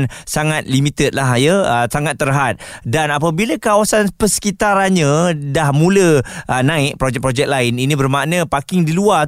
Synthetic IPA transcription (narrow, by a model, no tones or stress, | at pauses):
nsaŋat̪̚limit̪ət̪̚laɦjəəsaŋat̪ːəɾɦat̪̚danap̬abilakawasanpəsə̥kit̪aɾanɲãdahmũləʔənãɪʔ̚pɾod͡ʒɛk̚pɾod͡ʒɛk̚laɪninĩbərmaʔnə̃pakɪŋdilua